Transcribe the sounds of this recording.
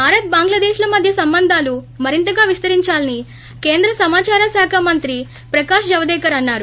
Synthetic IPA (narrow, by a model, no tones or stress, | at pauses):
bʱaːɾɐt̪̚baːŋɡlɐd̪eːʃlɐmɐd̪ʱjɐsɐmbɐnd̪ʱaːlu | mɐɾint̪ɐɡaːʋist̪ɐɾiɲt͡ʃaːlɐni | ke̞ːnd̪ɾɐsɐmaːt͡ʃaːɾasaːkʰamɐnt̪ɾi | pɾɐkaːʃd͡ʒɐʋɐd̪ɛːkɐɾɐnːaːɾu